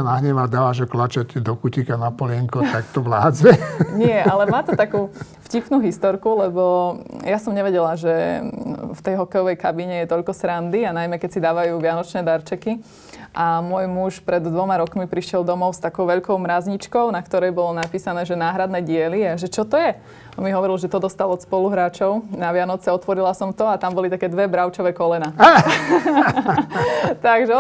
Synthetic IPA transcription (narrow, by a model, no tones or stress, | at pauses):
anaɦɲɛʋad̪aːʋaʒɔklat͡ʃaɟd̪ɔkucikanapɔlɪɛŋkɔt̪ak̚t̪ɔʋlaːd͡zɛɲɪɛʔalɛmaːt̪ɔt̪akuː | fcipnuːɦist̪ɔɾkulɛbɔjasɔmɲɛʋɛɟɛlaʒɛ | ft̪ɛjɦɔkɛjɔʋɛjkabiɲɛjɛt̪ɔʎkɔsɾand̪ianajmɛkɛcsid̪aːʋajuːʋɪanɔt͡ʃnɛːd̪aɾt͡ʃɛki | ʔamʊɔjmuʃpɾɛd̪ːʋɔmaɾɔkmipɾiʃjɛlˠd̪ɔmɔʊst̪akɔʊʋɛʎkɔʊmɾazɲit͡ʃkɔʊnakt̪ɔɾɛjbɔlɔnapiːsanɛːʒɛnaːɦɾad̪nɛɟɪɛliaʒɛt͡ʃɔt̪ɔjɛ | ɔmiɦɔʋɔɾilˠʒɛt̪ɔd̪ɔst̪alɔt̪spɔluɦɾaːt͡ʃɔʊnaʋɪanɔt͡sɛɔt̪ʋɔɾilasɔmt̪ɔat̪ambɔlit̪akɛːd̪ʋɛbɾaʊt͡ʃɔʋɛkɔlɛna | t̪aɡʒɛ